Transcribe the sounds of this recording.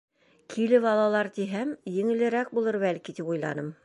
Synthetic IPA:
kʰilɘβɑlˠɑlˠɑɾt̪iɦæmjɘ̆ŋɘ̆lɘ̆ɾæk̚bulˠɤɾbælkit̪ipujlˠɑ̰nɤm

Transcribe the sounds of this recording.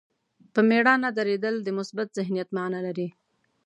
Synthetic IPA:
pəmeɽɑnad̪aɾed̪əld̪əmʊsbat̪z̥ɪɦnijat̪manalaɾi

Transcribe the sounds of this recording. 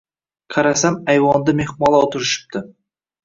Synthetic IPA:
qʰɑɾasamæjwɑnd̪əmeχmɑlˠɑot̪ʰʊɾɪʃɪ̥p̚t̪ɪ

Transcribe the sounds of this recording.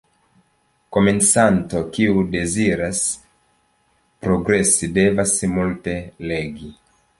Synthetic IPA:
ko̞mensanto̞kiude̞ziɾas | pɾo̞ɡɾe̞side̞vasmulte̞le̞ɡi

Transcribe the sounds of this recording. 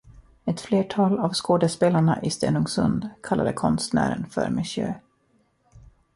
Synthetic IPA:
ɛt̪fleːʈʰɑːlavskoːd̪əspeːlaɳaʔɪst̪ḛːnʊŋsɵnd̪kʰalːad̪əkʰɔnst̪næ̰ːɾə̰nfœ̰ɾmɪɕjø̰ː

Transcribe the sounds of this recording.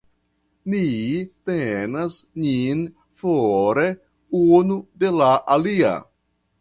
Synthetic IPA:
mitenasɲin | foɾe | unude̞laʔalia̰

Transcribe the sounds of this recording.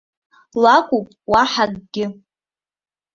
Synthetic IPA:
lakʷʼupʼwaħaɡɡʲɪ

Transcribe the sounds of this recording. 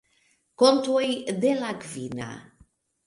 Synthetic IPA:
kont̪wejd̪elakvina̰

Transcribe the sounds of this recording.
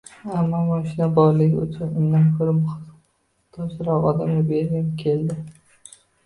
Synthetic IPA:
amːɒmɒʃɪnabɒɾlɪkʲʊ̰t͡ʃʰʊnɪmd̪ankʰʲʊɾmχ | t̪ʰɒsɪɾɒqɒ̰d̪amabeɾʲɪmkʲʰe̞ld̪ɪ

